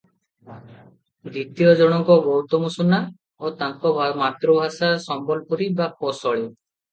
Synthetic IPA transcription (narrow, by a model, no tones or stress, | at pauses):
d̪it̪ijɔd͡ʒɔɽ̃ɔŋkɔbɔwt̪ɔmusuna | ot̪aŋkɔbmat̪ɾɔbʱasasɔmbɔlpuɾibapɔsɔɭ̃i